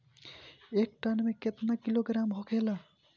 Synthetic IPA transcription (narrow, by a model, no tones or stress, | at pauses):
ek̚ʈənmẽket̪nakiloɡɾamɦokʰela